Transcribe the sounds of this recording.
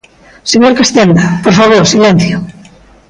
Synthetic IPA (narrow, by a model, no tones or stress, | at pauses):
seɲoɾkast̪end̪ɐpoɾfaβoɾsilɛn̟θjʊ